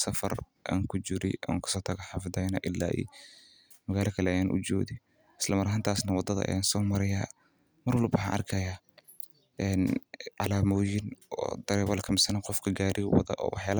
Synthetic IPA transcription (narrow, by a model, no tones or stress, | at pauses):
sɐfɐ̰r | ʔa̰ːŋkʰʊt͡ʃɪɾɛ̰jɐ̰ːkʰɐ̥sɔːt̪ʰɐɣɐħɑfd̪ɐjnɐʔɪlːa̰ːʔḭː | mɐɣaːlɔkʰɐlɛɐjaːnʔʊ̰t͡ʃɔ̰ːðɪ | ʔɪslɐmɐɾɐɦaːnt̪ʰaːsnɐwɑd̪ːɐðɐ̰ʔɐ̰jaːnsɔːmɐɾɐjaː | mɐrwɐlbɐħɑʔɐrkʰɐjaː | ɛnʕɑlaːmɔːjɪnɔ̰ːd̪̥ɐɾɛːβɐlɐkʰɐmɪsɐnɐqɔfkʰɐɡaːɾɪwɐ̰ðɐ̰ʔɔ̰ːwɑħjaːl